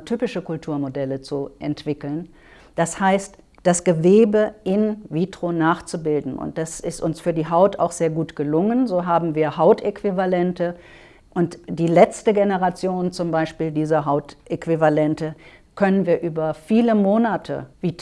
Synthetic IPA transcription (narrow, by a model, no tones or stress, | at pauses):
tʰyːpɪʃəkʰʊltʰuːɐmodɛlət͡suʔɛntv̥ɪkl̩n | d̥ashaɪst | d̥asɡ̥əveːbəʔɪnviːtʁ̥onaːχt͡subɪldn̩ʊ̰nt̚d̥asɪstʊnsfyːɐdiːɦaʊta̰ʊxz̥eːɐɡuːtɡ̥əlʊŋənzoːɦaːbm̩viːɐhaʊtekv̥ivalɛntə | ʔʊntd̥iːlɛt͡stəɡenəʁat͡sjoːnt͡sʊmbaɪʃpiːldiːzɐɦaʊtʔekv̥ivalɛntəkʰœnənviːɐʔyːbɐfiːləmoːnatʰə̰viːt